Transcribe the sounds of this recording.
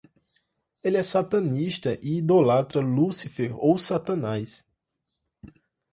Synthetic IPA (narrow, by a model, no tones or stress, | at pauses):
eliɛsat̪ɐ̃niʃt̪ɐʔiid̪olat̪ɾɐlusifeɾowsat̪ɐ̃najs